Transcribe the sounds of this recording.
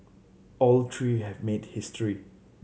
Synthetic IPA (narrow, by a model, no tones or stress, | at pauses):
ʔɔltʰɹiɦɛvmed̚hɪstɹi